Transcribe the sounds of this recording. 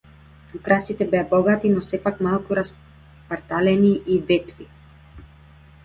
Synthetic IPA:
ukɾast̪it̪ɛbɛjabɔɡat̪inɔsɛpakmalˠkuɾas | paɾt̪alɛniʔivɛt̪vi

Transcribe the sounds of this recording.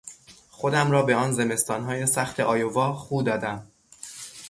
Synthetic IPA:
xo̞d̪æmɾɒːbe̞ɒːnze̞me̞st̪ɒːnɦɒːje̞sæxt̪ʰe̞ʔɒːjovɒːχuːd̪ɒːd̪æm

